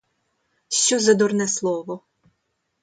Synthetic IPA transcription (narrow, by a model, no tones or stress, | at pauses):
ʃt͡ʃɔzɐd̪ɔrnɛslˠɔʋɔ